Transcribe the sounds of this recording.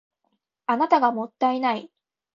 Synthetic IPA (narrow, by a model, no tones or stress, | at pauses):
anat̪aɡamo̞t̪ːainai